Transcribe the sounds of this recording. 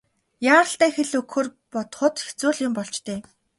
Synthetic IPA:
jaːʁə̆ɬt̪æːxeɮɵkxɵːrpɔt̪χʊt̪xet͡suːɮʊmpɔɮt͡ɕt̪ʰeː

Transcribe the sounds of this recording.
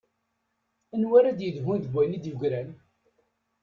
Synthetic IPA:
ənwaɾad̪jəðɦunðɡʷælid̪juɡɾæn

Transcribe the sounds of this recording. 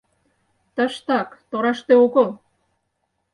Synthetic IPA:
t̪ə̆ʃt̪ɑkt̪oɾɑʃt̪eokəl

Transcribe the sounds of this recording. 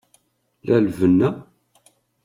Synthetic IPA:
lælvənːæ

